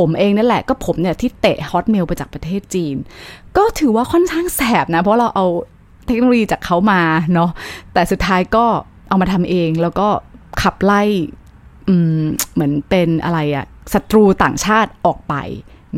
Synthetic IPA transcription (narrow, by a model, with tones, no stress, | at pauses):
pʰo˩˦mʔeː˧ŋna˥˩lɛ˨˩kɔː˥˩pʰo˩˦mnja˧˨˩t̪ʰiː˥˩t̪e˨˩hɔː˦˥t̪̚me˧wpa˧jt͡ɕaː˨˩pɾa˧t̪ʰeː˥˩t̪̚t͡ɕiː˧nkɔː˥˩t̪ʰɯː˩˦waː˥˩kʰɔ˥˩nkʰaː˥˩ŋsɛː˨˩p̚na˦˥pʰɾɔ˦˥ɾa˧wʔa˧w | t̪ʰe˦˥no˧lo˧jiː˧t͡ɕaː˨˩kʰːa˦˥wmaː˧nɔ˦˥t̪ɛː˨˩su˨˩t̪ʰːaː˦˥jkɔː˥˩ | ʔa˧wmaː˧t̪ʰa˧mʔeː˧ŋlɛː˦˥wkɔː˥˩kʰa˨˩p̚la˥˩j | ʔɯː˧mmɯ˩˦ənpe˧nʔa̰˧ɾa˧jʔa̰˨˩ | sa˧t̪ɾuː˧t̪a̰ː˨˩ŋt͡ɕʰaː˥˩t̪̚ʔɔː˨˩k̚pa̰˧j | n˦